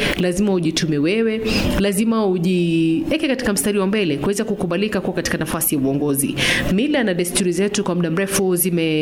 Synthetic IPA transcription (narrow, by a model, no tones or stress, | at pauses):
lazimauʄitʰumɛwɛwɛlazimauʄiɛkɛkati̥kam̩staɾiwambɛlɛkuwɛzakukuɓalikakuakati̥kanafasijauɔŋɡɔzḭmilanaɗɛstuɾizɛtukwam̩ɗam̩ɾɛfuzimɛ